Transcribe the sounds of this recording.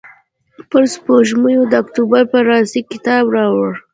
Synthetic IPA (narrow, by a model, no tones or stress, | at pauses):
pəɾspoʒmujod̪əakt̪ubaɾpəɾɑsikɪt̪ɑbɾɑwəɽ